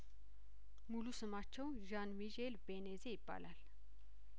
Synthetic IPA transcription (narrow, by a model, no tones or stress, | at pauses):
mulusəmat͡ʃʰɐwʒanmiʑelbenezeipa̰lal